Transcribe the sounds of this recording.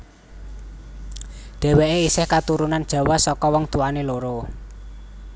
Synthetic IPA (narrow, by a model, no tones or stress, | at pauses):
ɖ̪̥ɛ̤weʔeisɪhkat̪uɾunand̥ʒ̥ä̤wasɔkɔwɔŋt̪uaneloɾo